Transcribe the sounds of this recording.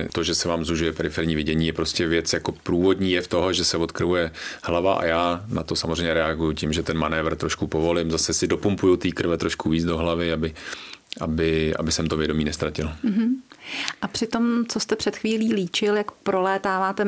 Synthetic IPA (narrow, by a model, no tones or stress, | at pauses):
t̪o̞ʒɛsɛvaːmzuʒujɛpɛɾɪfɛɾɲiːvɪɟɛɲiːjɛpɾo̞scɛvjɛt͡sjako̞pɾuːvo̞dɲiːjɛft̪o̞ɦoʒɛsɛvot̪kr̩ɦujɛhlavaʔa̰jaːnat̪o̞samozrɛjɲɛɾɛaɡujucɪmʒɛt̪ɛnmanɛːvr̩t̪ɾo̞ʃkupo̞vo̞lɪmzasɛsɪdo̞pumpujut̪iːkr̩vɛt̪ɾo̞ʃkuviːt͡sdo̞ɦlavɪabɪʔa̰bɪa̰bɪsɛmt̪ovjɛdo̞miːnɛst̪ɾacɪl̩ɦ̩ʔapr̥ɪt̪o̞mt͡sost̪ɛpr̝̥ɛt̪xviːliːliːt͡ʃɪljakpɾolɛːt̪aːvaːt̪ɛ